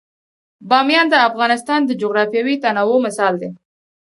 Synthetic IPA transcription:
bɑmjɑnd̪əafɣɑnɪst̪ɑnd̪əd͡ʒoɣɾɑfjɑwit̪anɑwomɪsɑld̪e

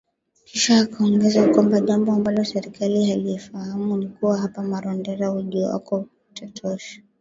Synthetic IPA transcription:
kʰiʃaːkaɔŋɡɛzakwambaʄambɔambalɔsɛɾikaliɦalifahamunikuwaɦapamaɾɔndɛɾauʄuwa̰kɔ | tɔtʰɔʃḁ

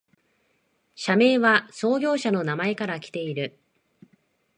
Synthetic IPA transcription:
ɕame̞ːβaso̞ːɡʲo̞ːɕano̞namae̞kaɾakʲi̥t̪e̞iɾɯ̟

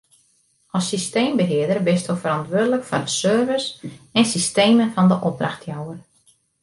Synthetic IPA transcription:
ɔsːisteːmbəɦɪədərbɪstofəɾɑntʋødələkfɔndəsøːrvəsɛnsisteːmənfɑndəʔɔp̚draxtʰjawər

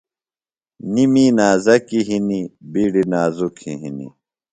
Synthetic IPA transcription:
niminaːzɐkiɦinibiːɽinaːzukʰiɦinḭ

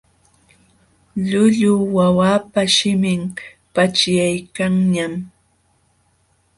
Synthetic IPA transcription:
ʎʊʎʊwawaːpaʃɪmɪm | pat͡ʃjajkaŋɲam

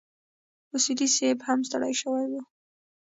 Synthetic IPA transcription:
ʊsid̪isebhamst̪aɽa̰jʃəwajwu

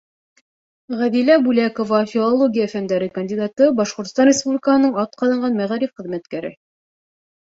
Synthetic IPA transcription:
ʁæðilæbulækovɑfʲilˠolˠoɡʲijafænd̪æɾɘkɐnʲdʲid̪ɑt̪ɤbɑʃqŏɾt̪ŏ̥st̪ɑnrʲɪspublʲɪkəhɤnɤɴɑt̪̚qɑðɑɴɢɑnmæʁæɾifχɘ̆ðmæt̪kæɾɘ̰

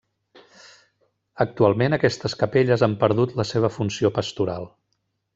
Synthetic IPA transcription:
ək̚t̪ualˠmenəkɛst̪əskəpeʎəzampəɾðut̪ləseβ̞əfunsiopəst̪uɾa̰lˠ

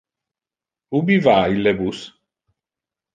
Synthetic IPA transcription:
ubivaːilebus

